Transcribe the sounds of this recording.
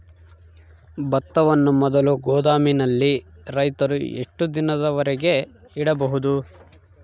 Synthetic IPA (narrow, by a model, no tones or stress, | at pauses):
bɐt̪ːɐʋɐnːumɔd̪ɐluɡɔːd̪aːminɐlːiɾɐjt̪ɐɾuḛʂʈud̪inɐd̪ɐʋɐɾɛɡe̞ | iɽɐbɐɦud̪u